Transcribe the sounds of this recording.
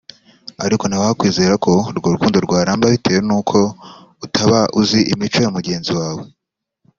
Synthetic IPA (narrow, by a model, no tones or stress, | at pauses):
aɾiko̞nhawahakwiːze̞ːɾakʰo̞ɾɡoɾuɡuːndoɾɡwaːɾaːmbaβitʰe̞ːwenuːkʰo̞ | utʰaβaʔuziʔimit͡ʃo̞jomuɟe̞ːnziwaːwe